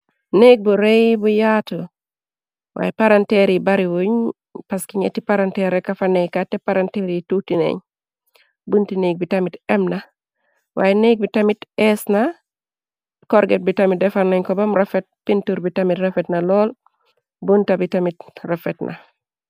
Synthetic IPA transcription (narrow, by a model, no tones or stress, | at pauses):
nek̚buɾejbujatu | wʔa̰ːjepaɾanteɾibaɾiwuɲ | paskiɲḛtipaɾanteɾekafanekatepaɾanteɾitutinḛɲ | buntineːk̚bitamitɛmna | wajneːk̚bitamitesna | koɾɡet̚bitamidefanoɲkɔbamɾafet̚pintuɾbitamitɾefetnalɔːl | buntabitamit̚rafetnʔa̰